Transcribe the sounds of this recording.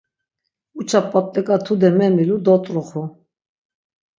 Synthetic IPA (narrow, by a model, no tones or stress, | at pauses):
ut͡ʃʰapʼːat̪ʼːɛkʼat̪ʰud̪ɛmɛmilud̪ɔt̪ʼɾuχu